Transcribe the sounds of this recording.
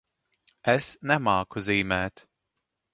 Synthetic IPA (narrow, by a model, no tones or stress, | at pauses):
ɛsnɛmɑːkʰoziːmɛt̪